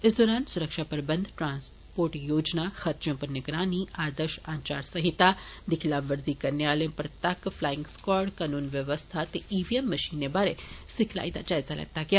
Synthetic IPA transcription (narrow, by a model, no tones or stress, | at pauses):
ɪsd̪oːɾaːnsʊɾəkʃapɐɾbə̃nd̪ʈɾãːns | poːɾʈjoːd͡ʒnaxɐɾt͡ʃjõpɐɾnɪɡɾaːniaːd̪əɾʃãːnt͡ʃa̰ːɾsɐɦit̪ad̪ɪkʰilaːʋʋəɾzikɐnjaːlejõpɐɾt̪akflaːɪ̃ŋɡskɔːɽkanuːnʋjɐʋəst̪ʰat̪eiʋiemːɐʃiːnebaɾesɪkʰla̰id̪a̰d͡ʒaːjzalɐ̰ɡ̚t̪aɡjaː